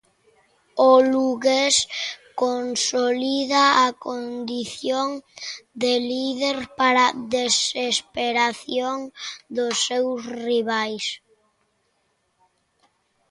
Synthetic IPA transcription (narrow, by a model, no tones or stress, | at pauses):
oluɣeskonsoliðaːkond̪iθjoŋd̪eliðeɾpaɾaðesespeɾaθjoŋd̪osːewsriβajs